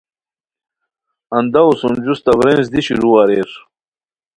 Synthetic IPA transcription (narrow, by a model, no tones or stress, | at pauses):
ɐnd̪ɐusund͡ʑust̪ɐbɾens̬d̪iɕiɾuwaɾeɾ